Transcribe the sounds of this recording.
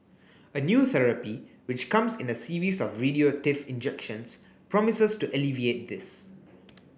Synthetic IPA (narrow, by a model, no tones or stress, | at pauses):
ənjuːθɛɹəpiwɪt͡ʃkãmsɪ̃nəsiɹisɔfɹidiotɪfɪ̃nd͡ʒɛkʃə̃ns | pɹɔmɪsəstuʔəliviet̚d̪ɪs